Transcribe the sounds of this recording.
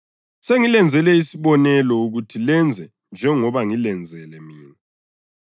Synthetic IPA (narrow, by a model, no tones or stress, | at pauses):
seŋilɛnd͡zʱɛlɛisiβɔnɛlɔuɣutʰilɛnd͡zʱɛ | nd͡ʒʱɛŋɔβaŋilɛnd͡zʱɛlɛmiːŋi